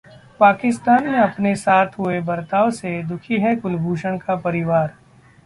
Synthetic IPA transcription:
paːkɪst̪aːnmẽɐpnesaːt̪ʰɦʊebɐɾt̪aːʋsed̪ʊkʰiɦɛkʊlbʱuːʃəɽ̃kapɐɾɪʋaːɾ

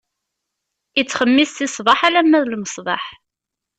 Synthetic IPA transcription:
it͡sːχəmːisθɪsˤvɑħalæmːæðlməsˤbˤɑ̰ħ

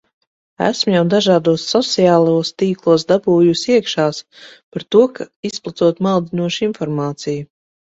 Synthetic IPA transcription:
æ̰smjawd̪aʒaːd̪uɔsːɔt̪siaːlˠoɔst̪iːklˠuɔsd̪abuːjusiɛkʃaːs | paɾt̪uɔkʰaisplˠat̪suɔt̪malˠd̪inuɔʃinfɔɾmaːt̪siju

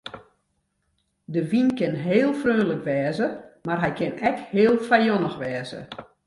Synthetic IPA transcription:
dəʋinkɪnɦeːlˠfrøːnləkʋɛːzəmarɦɛjkʰɪnɛkheːlˠfajonəxʋɛːzə̰

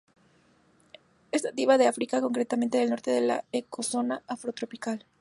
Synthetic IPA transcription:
est̪at̪iβaðeafɾikako̞ŋkɾet̪ament̪e̞ðelno̞ɾt̪e̞ðela̰eko̞so̞naafɾo̞t̪ɾo̞pikal

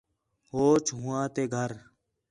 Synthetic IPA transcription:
ɦoːt͡ʃɦʊːãːt̪eːɡʱəɾ

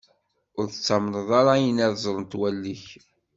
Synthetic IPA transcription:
ʊɾθət͡sːamnəðˤaɾˤɑjənæðzˤɾˤənt̪wælːiç

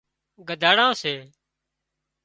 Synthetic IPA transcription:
ɡəd̪ʱaːɽãːseː

